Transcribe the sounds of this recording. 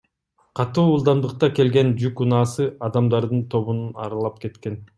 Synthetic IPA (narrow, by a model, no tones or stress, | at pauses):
qʰɑt̪uːulˠd̪ɑnd̪ɯq̚t̪ɑke̞lɡe̞nd͡ʒykunɑːsɯɑd̪ɑmd̪ɑɾd̪ɯnt̪ʰo̞βununɑ̰ɾɑlˠɑp̚ke̞t̪ke̞n